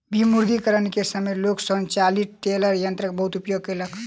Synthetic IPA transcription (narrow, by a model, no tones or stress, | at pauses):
bimuɾd̪ikəɾənkesəmeloksənt͡ʃalit̪ʈeləɾjənt̪ɾəkebəɦut̪upjoɡ̚kelək